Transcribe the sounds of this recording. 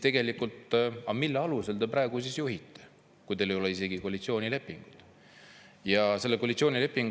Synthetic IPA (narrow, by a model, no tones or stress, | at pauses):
t̪e̞ɡe̞likult̪ˑɑmilːeɑluse̞ld̪e̞pɾɑeɡ̥usisjuɦit̪ˑːe̥ | kujd̪̥elejo̞leise̞ɡikoɑlit̪sio̞ːnʲile̞pːˑiŋɡ̥ut̪ˑ | jɑse̞lːekolit̪sʲio̞ːnʲile̞pːiŋɡ